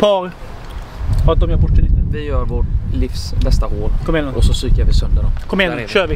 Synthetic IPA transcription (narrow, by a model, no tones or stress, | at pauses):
pʰɑːɾ | ad̪ɔmjaɾbɔʈːəɾɪt̪ːvɪjœːɾvoʈlɪfsbɛst̪ahoːlkʰɔmːɛnʔɔsɔsyːkəɾvɪsœnd̪əɖɔ̰mkʰɔmɛnʃøːvɪ